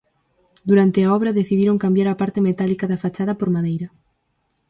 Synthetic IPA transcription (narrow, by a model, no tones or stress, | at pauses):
d̪uɾant̪ɪaɔβɾɐðeθiðiɾoŋkambjaɾapaɾt̪ɪmet̪alikaðafat͡ʃaðɐpoɾmaðejɾɐ